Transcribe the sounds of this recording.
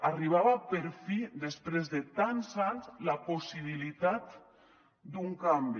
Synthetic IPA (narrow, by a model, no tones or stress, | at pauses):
ariβ̞aβapeɾfid̪espɾezðet̪anzanzlaposiβ̞ilit̪at̪ | d̪uŋkambi